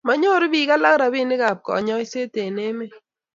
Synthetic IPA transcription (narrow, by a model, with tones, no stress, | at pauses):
ma˨ɲo˦ɾbi˨ka˦la˦kɾa˨bi˦nɪ˦ka˨p̚kɔ̰˨ɲɔ˦jse˦te˨ne˦me˦